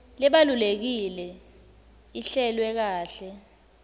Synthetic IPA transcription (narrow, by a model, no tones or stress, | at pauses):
lɛɓalulek̬ilɛ | iɬɛlwɛk̬aːɬɛ